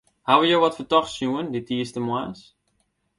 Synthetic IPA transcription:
hawəjoʋɔtfətɔχsjuənditiəstəmwaːs

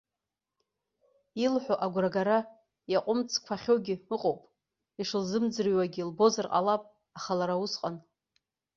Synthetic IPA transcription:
ilħʷoʔaɡʷraɡaɾa | jaqʷʼʊmt͡sʰkʷʰaχʲowɡʲɪɨqʼowpʼ | iʂɨlzɨmd͡zɨrwaɡʲilbo̞zarqʼa̰lapʼ | aχalaɾausqʼan

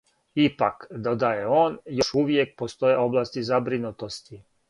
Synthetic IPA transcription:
ipakd̪od̪ajeoːnjoʃuʋjek̚post̪o̞jeo̞blˠaːst̪izabɾinut̪o̞st̪i

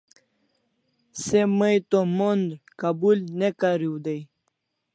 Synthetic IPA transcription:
seməjt̪omond̪ɾkabulnekaɾiwd̪ej

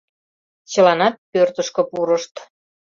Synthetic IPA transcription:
t͡ɕə̆lɑnɑt̪̚pørt̪əʃkɤ̆puɾəʃt̪

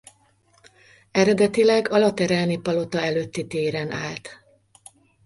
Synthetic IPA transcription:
ɛɾɛd̪ɛt̪ilɛɡɒlɒt̪ɛɾɛlnipɒlo̞t̪ɒɛløt̪ːit̪eːɾɛnʔaːlt̪

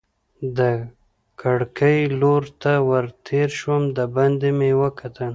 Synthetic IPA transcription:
d̪ə | kʰaɽkəjloɾt̪awəɾt̪ʰeɾʃwəmd̪əband̪emewəkʰat̪ən

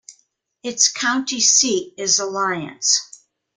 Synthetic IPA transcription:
ɨtskʰãʊ̃ntisiɾɪzəlaɪɨ̰̃ns

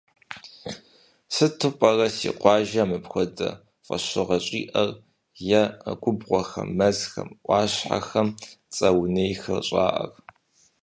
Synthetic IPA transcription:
sɨtʰɨpʼɐrɐsḭːqʷɑːʒɐmɨpxʷɔdɐ̰ | fʼɐ̰ɕɨʁɐɕʼḭːʔɐr | jɐɡʷʰʼʊbʁʷɔxɐ̰ːɐzxɐ̰mʔʷɑːɕħa̰xɐmt͡sʼɐwnejxɨrɕʼa̰ːʔɐ̰r

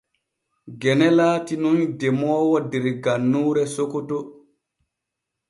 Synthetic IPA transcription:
ɡɛnɛlaːtinundɛmɔːwɔdɛɾɡanːuːɾɛsokoto

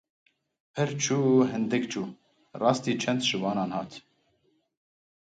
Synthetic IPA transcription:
pʰɨɾt͡ʃʰuːɦɨnd̪ɨkt͡ʃʰuː | rɑːst̪iːt͡ʃʰɛnd̪ʒɨwɑːnɑːnhɑːt̪

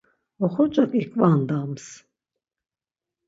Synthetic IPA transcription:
ɔχɔt͡ʃʼakʼikʼvand̪ams

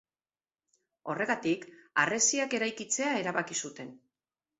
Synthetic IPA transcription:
o̞re̞ɣat̪ika̰re̞siake̞ɾajkit͡se̞aeɾaβakisut̪e̞n

